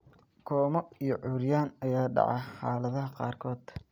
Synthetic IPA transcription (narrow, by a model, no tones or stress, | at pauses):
kʰɔːmɔijɞʕʊːɾjaːnɐjaːɖɑ̰ʕɑħɑ̰ːlɐðɐɦɐqɑ̰ːrkʰɔːd̪̥